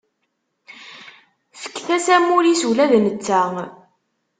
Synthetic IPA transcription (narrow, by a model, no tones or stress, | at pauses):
fə̥kːθæsæmuɾisuwlæðnət͡sːæ